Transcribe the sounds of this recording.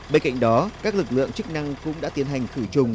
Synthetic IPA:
ɓe˧nka̰˧˨jŋ̟ɗɔ˨˦kaː˦˥k̚lɨ˨˩k̚lɨ̰˧˨əŋt͡ɕɨ˦˥k̚na˧ŋkʊ̰˧˥ŋ͡mɗa̰ː˧˥t̪i˨˦ənɦa˨˩jŋ̟xɨ˧˩t͡ɕʊ˨˩ŋ͡m

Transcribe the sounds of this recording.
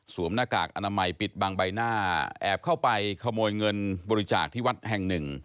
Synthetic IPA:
suː˨˩˦əmnaː˧˩kaː˨˩k̚ʔa˧naː˧ma˧jpi˨˩t̪̚baː˧ŋba˧jnaː˥˩ʔɛ̰ː˨˩p̚kʰa˥˩wpa˧jkʰa˧moː˧jŋɤ˧nbɔː˧ɾi˦˥t͡ɕa̰ː˨˩k̚t̪ʰiː˥˩wa˦˥t̪̚hɛ˨˩ŋnɯ˨˩ŋ

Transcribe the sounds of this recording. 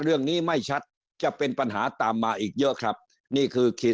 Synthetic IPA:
ɾɯ˥˩əŋniː˦˥˩ma˥˩jt͡ɕʰa˦˥t̪̚ | t͡ɕa˨˩ʔpe˧npa˧nɦaː˩˦t̪aː˨mːaː˧ʔiː˨˩k̚jɤ˦˥ʔkʰɾa˦˥p̚ | niː˥˩kʰɯː˧kʰi˦˥

